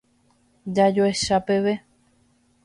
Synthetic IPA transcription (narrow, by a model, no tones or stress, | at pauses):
d͡ʒad͡ʒoeʃape̞ʋe̞